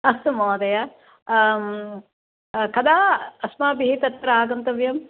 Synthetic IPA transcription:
ɐst̪ɐmoːd̪ɐja | kɐd̪aːɐsmaːbiɦit̪ɐt̪ːɐɾaːɡɐnt̪ɐʋjɐm

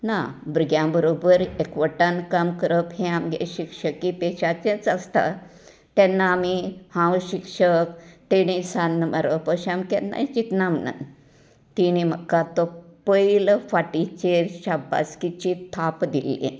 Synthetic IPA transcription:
na̰bɾuɡjãbəɾobəɾekʋəʈankamkəɾəpɦẽamɡḛɕikʂəkːipeɕat͡ɕẽt͡sast̪a̰ | t̪ɛnːaːmihãwɕikʂəkt̪eɽ̃isanːəməɾəpəɕamkɛnna̰jt͡ɕit̪namna̰ | t̪iñim̤əkːat̪ɔpəiləfaʈit͡ɕeɕaba̰skit͡ɕit̪ʰapd̪ilːḭ

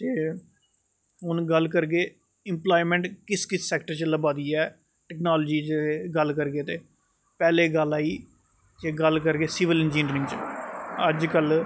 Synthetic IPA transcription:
t̪eː | ɦʊnɡəlk̬əɾɡeː | ɪmplaːimɛ̃ɳʈkɪskɪsːɛːkʈəɾt͡ʃələbaːd̪iːɛː | ʈɛːknaːlːd͡ʒiːt͡ʃːɡəlkəɾɡeːt̪eː | pɛːleːɡəlːaːiː | d͡ʒeːɡəlkəɾɡeːsɪʋɪlɛnd͡ʒiːnɾɪ̃ŋɡt͡ʃəd͡ʒkəl

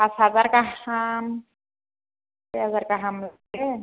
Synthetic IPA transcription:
asazaɾkaam | eazaɾkaɦaml | e

